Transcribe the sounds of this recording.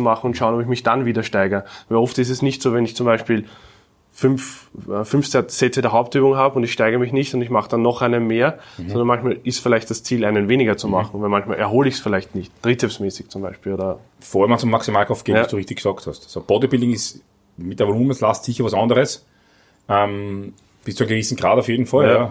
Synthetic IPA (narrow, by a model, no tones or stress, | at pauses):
umaχn̩ʊntʃaʊnɔbɪçmɪçd̥anviːdɐʃtaɪɡɐvɛlɔftɪs̬ɛsnɪçtsoːvɛnɪçt͡sʊmbæɪʃpiːl | fʏnffʏnfsɛsɛt͡sədeːɐɦaʊp̚tyːbʊŋɦaːbʊndɪçʃtæɪɡəɐəmɪçnɪçtʊndɪçmaχəd̥anːɔχʔæɪnənmeːɐɔ̃ndɐnmançmaːlɪstfɪlæɪçt̚d̥ast͡siːlæɪnənveːnɪɡɐt͡sumaχn̩vɛmançma̰ːlʔɛɐɦoːləɪçsfɪlæɪçtnɪçtd̥ʁitʰɛpsmɛːsɪçt͡sʊmbæɪʃpiːloːdɐ | foːəɐmant͡sʊmːaksimaːlkʰɔftɡ̥eːnvasd̥uːʁɪiçtɪçɡ̥sɑːkthastsob̥ɔdəbildɪŋɪs | mɪt̚deɛɐvoluːməslastsiçɐvasandəʁəs | ʔɛm | b̥ɪstt͡suæɪnɡɪvisn̩ɡʁaːdaʊfjeːdn̩falj